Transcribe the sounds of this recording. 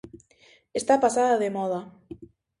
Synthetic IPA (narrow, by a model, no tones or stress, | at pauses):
est̪apasaðaðemɔð̞a